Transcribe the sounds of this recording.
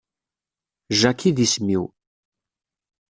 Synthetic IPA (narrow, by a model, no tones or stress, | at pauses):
ʒækʰːiðismiw